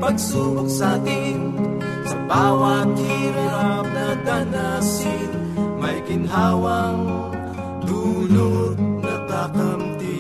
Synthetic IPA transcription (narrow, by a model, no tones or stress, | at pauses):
pɐɡ̚suːboksat̪ɪ | n | sɐbaːwɐt̪̚hiːɾaɾp̚nɐd̪anasɪn | mɐjkɪnɦaːwɐŋ | d̪uːlonɐɡ̪akɐmt̪i